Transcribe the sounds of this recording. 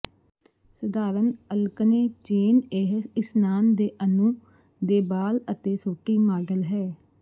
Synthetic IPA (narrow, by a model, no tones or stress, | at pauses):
səd̪aːɾənəlkəneːt͡ʃeːneɦɪsnaːnd̪eːʔənũː | d̪eːbaːlət̪eːsoːʈiːmaːɡəlɦɛː